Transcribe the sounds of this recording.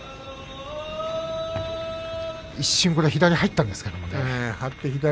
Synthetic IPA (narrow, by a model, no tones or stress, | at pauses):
iɕːɨ̃ŋko̞ɾeçid̪aɲʲihait̪ːãnd̪esɨ̥ke̞d̪o̞monehat̪ːeçid̪a